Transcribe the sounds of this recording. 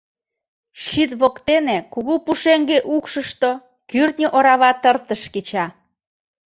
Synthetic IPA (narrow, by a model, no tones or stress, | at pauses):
ʃit̪βokt̪enekuɣupuʃeŋɡeʔukʃəʃt̪o | kyrt̪nʲəʔoɾɑβɑt̪ərt̪əʃket͡ɕɑ